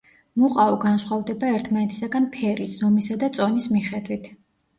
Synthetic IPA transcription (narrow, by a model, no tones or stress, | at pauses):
muqʼaɔɡansχwavd̪ɛbaɛɾt̪ʰmanɛt̪ʰi̥saɡanpʰɛɾisz̥ɔmisad̪at̪sʼɔnismiχɛd̪wit̪ʰ